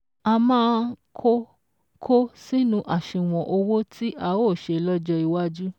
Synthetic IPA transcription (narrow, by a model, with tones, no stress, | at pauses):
a˧mãː˦˧kʰo˦ | kʰo˦si˦nũ˦ʔa˨ʃĩ˨w̃ɔ̃˨ʔo˧wo˦tʰi˦ʔa˧wo˦˨ʃe˧˨lɔ˦d͡ʒɔ˧i˧wa˦d͡ʒu˦